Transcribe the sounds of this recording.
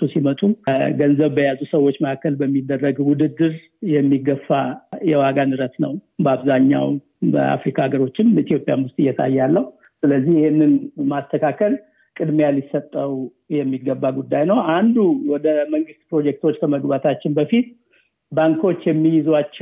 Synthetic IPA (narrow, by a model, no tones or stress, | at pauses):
usimət̪ʼuɡənzəβbəjazusəwo̞t͡ʃːməakːəlbəmːid̪ːərːəɡwʊd̪ɨd̪ːɨɾ | jɛmːiɡəfːajɛwaɡanɨɾət̪nə̰wbəaβzaɲːa̰w | bə̰a̰fɾikʰaɡəɾo̞t͡ʃːɪmit̪ʰijopʼja̰nwst̪ʼɨjːɛt̪ʰa̰jːalːəhu | sɨləzːihɪhenːɨnmast̪ʰəkʰakʰəl | kʼɨd̪mejalːɪsət̪ʼːəw | jɛmːiɡːəbːaɡud̪ːajnəwand̪uwɔd̪əməŋɡɨst̪̚pɾo̞d͡ʒɛk̚t̪ʰwot͡ʃːkʰəməɡbat̪ʰat͡ʃːɪnbəfit̪ | baŋkʰo̞t͡ʃːjɛmːijɪzat͡ʃː